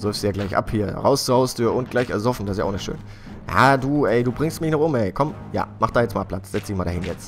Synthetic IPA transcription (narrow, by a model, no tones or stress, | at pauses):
z̥ʏɐfsd̥uːjaːɡlaɪçʔa̰phiːɐʁa̰ʊst͡suɐhaʊstʰyːɐʊnt̚ɡ̥laɪçɛɐzɔfn̩dasja̰ʊnɪçtʃø̰ːn | ja̰ːduːʔɛɪduːbʁɪŋstmɪçnɔχʊmʔɛɪkʰɔm | ja̰ːmaχd̥aːjɛt͡smaːlpʰl̥at͡sz̥ɛt͡sd̥ɪçmaːldahɪnjɛt͡st